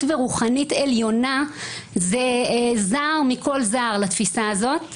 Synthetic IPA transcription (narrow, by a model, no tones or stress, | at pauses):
tveʁuχanite̞ljo̞nazezaːʁmikʰo̞lzaːʁlat̪fisaːzo̞t